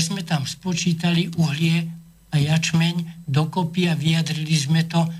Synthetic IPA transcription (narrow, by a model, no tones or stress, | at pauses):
zmɛt̪amspɔt͡ʃiːt̪aliʔuɦlɪɛ | ajat͡ʃmɛɲd̪ɔkɔpiaʋijad̪ɾilizmɛt̪ɔ